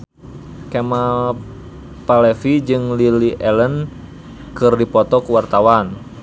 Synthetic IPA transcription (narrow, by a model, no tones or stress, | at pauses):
kɛma | palɛfid͡ʒɨŋliliʔɛlən | kɨrdipɔt̪ɔkuwart̪awan